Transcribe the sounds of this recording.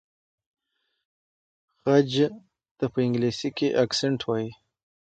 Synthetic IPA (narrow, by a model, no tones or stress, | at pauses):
xad͡ʒ | t̪apəɪŋɡlesikeʔakseɳʈʰwaːji